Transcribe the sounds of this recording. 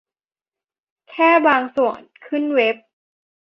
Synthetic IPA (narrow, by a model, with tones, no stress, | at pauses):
kʰɛː˥˩baː˧ŋsu˨˩ənkʰɯ˥˩nwe˦˥p̚